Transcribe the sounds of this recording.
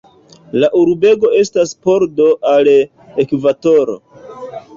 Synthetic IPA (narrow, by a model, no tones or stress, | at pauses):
laʔuɾbe̞ɡo̞e̞staspo̞ɾdo̞ʔal | ekvato̞ɾo̞̰